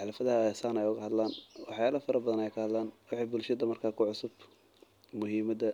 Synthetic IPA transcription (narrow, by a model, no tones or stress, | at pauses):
ħɑlɐfɐðɐhɐsaːnɛjʊɣɐhɐd̪laːnwɑħjaːlɐfɐɾɐbɐðɐnɛjkʰɐhɐd̪laːnwɑħiːbʊlʃɐðɐmɐrkʰaːkʰʊʕʊsʊb | mʊɦiːmɐðɐ